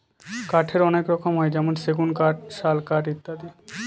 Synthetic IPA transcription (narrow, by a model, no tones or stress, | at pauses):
kaʈʰeɾɔnekɾɔkʰomɦɔed͡ʑɛmonseɡunkaʈ̚ʃalkaʈit̪ːad̪i